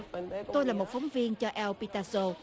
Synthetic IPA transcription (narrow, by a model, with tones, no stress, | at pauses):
t̪o˧jlaː˨˩mo˨˩t̚fɔ˨˦wŋ͡mvi˧ənt͡ɕɔ˧ʔɛ˧wpi˧t̪aː˧so˧